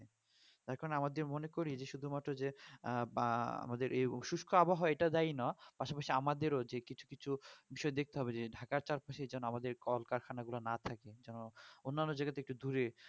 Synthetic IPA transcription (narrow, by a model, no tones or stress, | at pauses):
e | t̪aɾkɔɾonamad̪eɾmonekoɾid͡ʑeʃud̪ʱumat̪ːɾod͡ʑe | a̰mad̪eɾʔejʃuʃkʰoaboɦoeʈad̪ajnɔpaʃapaʃiamad̪eɾod͡ʑekit͡ɕʰu̥kit͡ɕʰubiʃɔed̪ek̚t̪eɦɔbed͡ʑeɖʱakaɾt͡ɕaɾpaʃed͡ʑɛnoamad̪eɾkɔlkaɾkʰanaɡulanat̪ʰaked͡ʑɛnoonːanːod͡ʑajɡat̪ek̚ʈud̪uɾe